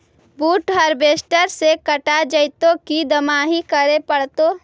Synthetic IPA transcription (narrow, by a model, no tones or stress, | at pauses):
buːʈɦəɾbeːsʈəɾsekəʈad͡ʒəɪt̪õkid̪ɐmaːɦikəɾepəɽt̪oː